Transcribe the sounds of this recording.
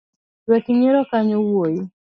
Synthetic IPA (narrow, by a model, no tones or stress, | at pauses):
wɛkiɲɪɾɔkaɲɔwoji